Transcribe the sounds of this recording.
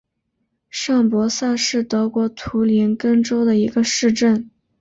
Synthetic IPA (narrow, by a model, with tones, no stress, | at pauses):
ʂɑ˥˩ŋpwɔ˧˥sa˥˧ʂɻ̩˥˩t̪ɤ˧˥kwɔ˧˥t̪ʰu˧˥li˧˥nkə˥ŋʈ͡ʂo˥ʊd̪ə˨i˧˥ɡə˧ʂɻ̩˥˧ʈ͡ʂə˥˩n